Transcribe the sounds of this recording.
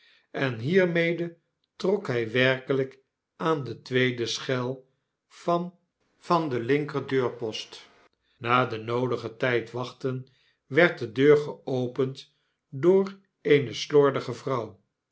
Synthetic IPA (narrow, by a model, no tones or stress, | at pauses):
ɛnɦiːɹmejdə | trɔkɦɛjʋɛrkələk | ʔaːndətʋejdəsχɛlˠ | v̥ɑn | v̥ɑndəlɪŋkərdøːɹpɔst | naːdənowdəχətɛjtʋɑχtən | ʋɛɹt̚dədøːɹχəowpənt | dʊːr | ejnəslɔɹdəχəvrɑw